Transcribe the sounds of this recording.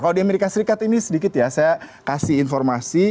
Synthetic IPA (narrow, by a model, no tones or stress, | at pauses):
kalodiameɾikasəɾikat̪inisədikɪt̪jasajakasɪɦinfɔrmasi